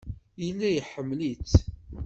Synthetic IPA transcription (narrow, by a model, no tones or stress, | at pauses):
jilːæjəħəmːlit͡s